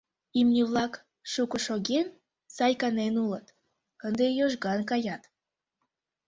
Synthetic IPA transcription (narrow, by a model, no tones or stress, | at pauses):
imnʲiβlˠɑk | ʃukəʃoɣen | sɑjkɑnenulət̪ | kənd̪ejoʒɡɑnkɑjɑt̪